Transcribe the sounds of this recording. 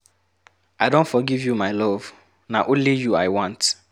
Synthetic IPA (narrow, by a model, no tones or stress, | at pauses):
aɪdõntfɔɡivjumaɪlɔv | naʔõnlijuaɪwɔ̃nt